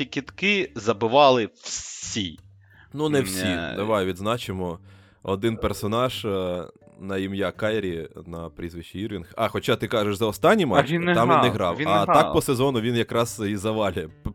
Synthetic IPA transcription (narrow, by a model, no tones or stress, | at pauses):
ikʲit̪kɪzɐbɪʋɑlˠɪwsʲi | nunɛwsʲid̪ɐʋɑjʋʲid̪znɑt͡ʃɪmɔ | ɔd̪ɪnpersɔnɑʒ | nɐimjakɑjɾʲinɐpɾʲizʋɪʃt͡ʃːiirʋʲinxɑxɔt͡ʃat̪ɪkɑʒeʃzɐɔst̪ɑnʲːimɐinɑmʋinːɪɦɾɑwɐt̪ɑk̚pɔsezɔnʊʋʲinjɐkɾɑzizɐʋɑlʲɐ